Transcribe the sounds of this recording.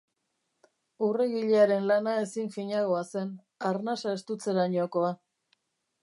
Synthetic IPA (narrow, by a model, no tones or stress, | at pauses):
ure̞ɣiʎeaɾe̞nlanae̞siɱfiɲaɣo̞ase̞n | aɾnasae̞st̪ut͡se̞ɾaɲoko̞a